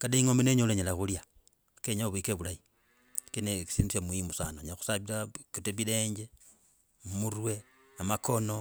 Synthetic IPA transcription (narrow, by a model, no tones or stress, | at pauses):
kadeiŋomeneɲoleɲelaxulja | keɲaβwikeβulai | kineki̥sindisamuimusanoɲaxu̥saβiɾakiteβile̞ːɲd͡ʒe | murwe̞ | amakʰo̞no